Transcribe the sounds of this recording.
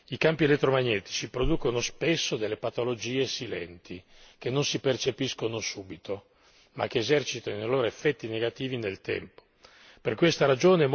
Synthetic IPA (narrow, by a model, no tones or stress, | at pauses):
ikampielet̪ːɾomaɲːɛːt̪i̥t͡ʃipɾod̪uːkonospesːod̪elːepat̪olod͡ʒiːesilɛ̰nt̪ʰi | k̟enːonsipert͡ʃepiskonosuːbit̪ʰo | ma̰k̟ːeːzɛrt͡ʃit̪anojloːɾoefːɛt̪ːineɡat̪iːvinelt̪ɛ̰mpo̥ | perkwest̪aɾad͡ʒoːneɛ